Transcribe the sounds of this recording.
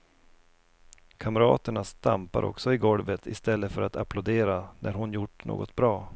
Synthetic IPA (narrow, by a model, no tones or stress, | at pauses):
kʰamɾɑːt̪əɳast̪a̰mpa̰ɾʔɔ̰ksɔɪɡɔlvət̪ʰɪ̰st̪ɛlːəfœɾʔat̪ʰa̰pʰlʊd̪eːɾanʔæɾɦʊnjʊʈːɳo̰ːɡɔt̪̚bɾɑː